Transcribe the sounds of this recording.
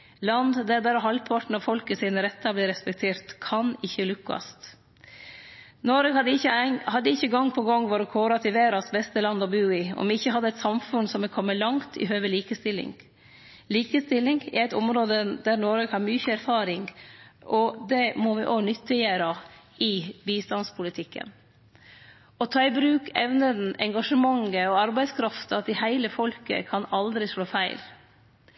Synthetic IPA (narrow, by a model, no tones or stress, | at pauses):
lɑnd̪d̪æd̪æɾɔɦɑlpʰɑʈn̩ɑʋfɔlkəsiːnəɾɛt̪ːɑbliːɾɛspɛk̚t̪ʰeːɾt̪kʰɑnɪçːəlʉkːɑ̰st̪ | nɔɾəhɑd̪əɪçəhɑd̪ːəɪçːəɡɔŋːpʰɔɡɔŋːʋɔɾɔkʰoːɾɑt̪ʰɪʋeːɾɑsbɛst̪əlɑnd̪ɔbʉːɪɔ̰mɪɪçːəɦɑd̪ːəɛɪt̪sɑmfʉnsɔmʋɪlkʰɔmːəlɑŋt̪ʰɪ̰ɦøːʋəliːkəst̪ɪlːɪ̰ŋ | liːkəst̪ɪlːɪŋɪæɪt̪ʊmɾoːd̪əd̪æɾnɔɾəɡhɑɾmyːçəæɾfɑːɾɪŋʔɔd̪ɛmɔʋɪʔoːɡnʏt̪ːɪjeɾɑ | ʔɪbiːst̪ɑnspʰʊlɪt̪ʰɪkːə̰n | ɔt̪ʰɑːɪbɾʉːkɛʋnəd̪n̩ɛŋɡɑʂəmɑŋːəɔɑɾbæɪd̪skʰɾɑft̪ɑɑt̪ːɪhæɪləfɔlkə̰kʰɑnɑld̪ɾɪʂɭoːfæɪl